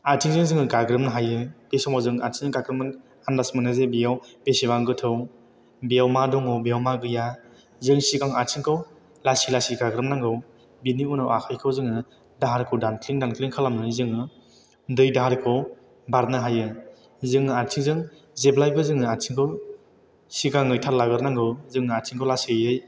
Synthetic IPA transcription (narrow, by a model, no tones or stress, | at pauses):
aɾtʰiŋzɯŋzɯŋɯɡaɡɾɯmnɯɦajɯpesɔmazɯŋaɾtʰiŋɯŋɡaɡɾɯmaŋ | andasmɯnazebijawpesibaŋɡɯtʰɯw | bijawmadɔŋɯwbijawmaɡɯja | zɯŋsiɡaŋatʰiŋkʰɯw | lasilasiɡaɡɾɯmnaŋɡɯw | biniunawakʰajkʰɯwzɯŋɯ | daɦaɾkʰɯwdankʰliŋdankʰliŋkʰalamnɯzɯŋɯ | dɯjdaɦaɾkʰɯw | baɾnɯɦajɯ | zɯŋɯaɾtʰiŋzɯŋ | zeblajbɯzɯŋɯatʰiŋkʰɯw | sikaŋɯjtʰaɾlaɡɯɾnaŋɡɯwzɯŋɯaɾtʰiŋkʰawlasijɯj